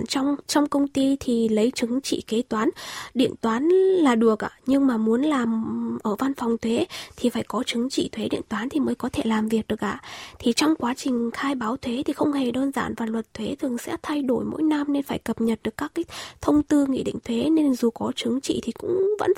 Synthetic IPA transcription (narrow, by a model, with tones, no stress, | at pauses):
t͡ɕɔ˧wŋ͡mt͡ɕɔ˧wŋ͡mkə˧wŋ͡mt̪i˧t̪ʰi˨˩lə˨˦jt͡ɕɨ˨˦ŋt͡ɕḭ˧˨ke˨˦t̪waː˨˦nɗḭ˧˨ənt̪waː˨˦nlaː˨˩ɗɨ˨˩ək̚ʔa̰ː˧˨˩ɲɨ˧ŋmaː˨˩mu˨˦ənlaː˨˩mʔəː˧˩va˧nfɔ˨˩wŋ͡mt̪ʰwe˨˦t̪ʰi˨˩faː˧˩jkɔ˨˦t͡ɕɨ˨˦ŋt͡ɕḭ˧˨t̪ʰwe˨˦ɗḭ˧˨ənt̪waː˨˦nt̪ʰi˨˩məː˨˦jkɔ˨˦t̪ʰe˧˩laː˨˩mvi˨˩ək̚ɗɨ˨˩əkʔa̰ː˧˨t̪ʰi˨˩t͡ɕɔ˧wŋ͡mkwaː˨˦t͡ɕï˨˩ŋ̟xaː˧jɓaː˨˦wt̪ʰwe˨˦t̪ʰi˨˩xə˧wŋ͡mhe˨˩ɗəː˧nza̰ː˧˩nvaː˨˩lwə˨˩t̚t̪ʰwe˨˦t̪ʰɨ˨˩əŋsɛ̰˧˥t̪ʰa˧jɗo˧˩jmo̰˧˥jna˧mne˧nfaː˧˩jkə˨˩p̚ɲə˨˩t̚ɗɨ˨˩əkːaː˦˥kːaː˨˦jt̪ʰə˧wŋ͡mt̪ɨ˧ŋḭ˧˥˨ɗḭ˧˨ŋ̟t̪ʰwe˨˦ne˧nzu˨˩kɔ˨˦t͡ɕɨ˨˦ŋt͡ɕḭ˧˨t̪ʰi˨˩kʊ̰˧˥ŋ͡mvə̰˧˥n